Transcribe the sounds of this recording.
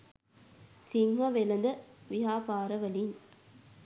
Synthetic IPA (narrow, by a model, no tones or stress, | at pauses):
sɪŋɡɐʋɛlɐnd̪ɐʋɪɦaːpaːɾɐʋɐlin